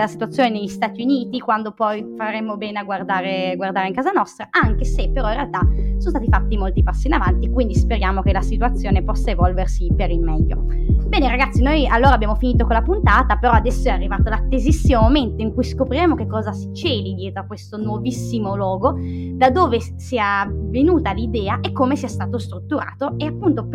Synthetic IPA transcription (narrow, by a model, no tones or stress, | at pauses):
lasit̪uat̪sːjoːneneʎːist̪aːt̪iuniːt̪ikwand̪opɔjfaɾemːobɛːneaɡward̪aːɾeɡward̪aːɾeiŋkaːzanɔst̪ɾaʔaŋk̟esepːeɾɔĩnrealt̪asonost̪aːt̪ifat̪ːimolt̪ipasːiːnavant̪ikwind̪ispeɾjaːmok̟elasit̪uat̪sːjoːnepɔsːaevɔlversipeɾilmɛʎːo̰ | bɛːneɾaɡat̪sːinojalːoːɾabːjaːmofiniːt̪̬okolapunt̪aːt̪apeɾɔad̪ɛsːoɛarːivaːt̪olat̪ːezisːimomoment̪oiŋkujskopɾiɾemok̟ekːɔːzasi̥t͡ʃɛːlid̪jɛːt̪ɾoakːwest̪onwovisːimolwɔːɡod̪ad̪oːve | siavenuːt̪alid̪ɛːaʔekːomesiɛst̪aːt̪ost̪ɾut̪ːuɾa̰ːt̪oeapːunt̪o